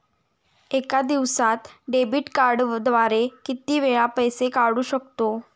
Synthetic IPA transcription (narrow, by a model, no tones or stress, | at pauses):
ekad̪iʋsãt̪ɖebiʈkaɾɖd̪ʋaɾekit̪iːʋeɭapəjsekaɽuːɕəkt̪o